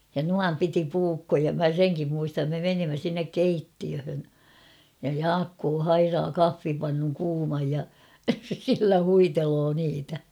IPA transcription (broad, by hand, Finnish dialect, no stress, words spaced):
jɑ nuɑm piti puːkːojɑ mæ seŋkim muistɑm me menimːæ sinːek keitːiøhøn jɑ jɑːkːoː hɑirɑː kɑfːipɑnːuŋ kuːmɑj jɑ silːæ huitelo niːtæ